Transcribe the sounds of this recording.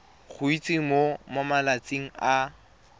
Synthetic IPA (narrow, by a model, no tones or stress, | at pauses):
χʊit͡sʼiŋ̩momamalat͡sʼiŋ̩a